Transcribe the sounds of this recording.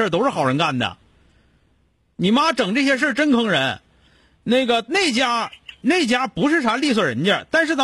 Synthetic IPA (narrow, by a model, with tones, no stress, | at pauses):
ə˞˥˩˧t̪o˥ʊʂɻ̩˥˩xɑ˨˩ʊɻə˧˥nka˥˩nd̪ə̰˩ | ni˨˩ma˥ʈ͡ʂɤ˨˩ŋʈ͡ʂɤ˥˩ɕ̬jɛ˥ʂ̬ə˥˧ʈ͡ʂə˥nkʰɤ˧˥ŋɻə˧˥n | ne˥˩ɪɡə˩ne˥˩ɪt͡ɕja˥ne˥˩ɪt͡ɕja˥pu˧˥ʂɻ̩˥˩ʂʰa˧˥li˥˧s̬wə˥˩ɻə̰˧˥nt͡ɕjə̰˥˧t̪a˥˧nʂɻ̩˥˩t̪ɑ˥